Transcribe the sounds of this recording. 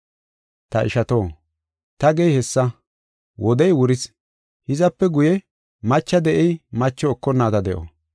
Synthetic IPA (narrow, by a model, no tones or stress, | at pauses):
t̪ɐʔɪ̰ʃɐt̪o̞ː | t̪ɐɡɛjhɛsːɐ | wɔd̪ɛjwʊɾɪs | hɪzɐpːɛɡʊjɛ | mɐt͡ʃːɐd̪ɛʔɛjmɐt͡ʃːɔːkːɔnːaːt̪ɐd̪ɛʔo̰